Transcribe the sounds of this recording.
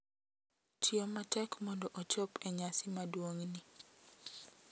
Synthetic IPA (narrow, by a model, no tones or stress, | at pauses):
t͡ʃiomatɛkmɔndɔʔot͡ʃɔpɛɲasɪmadwoŋni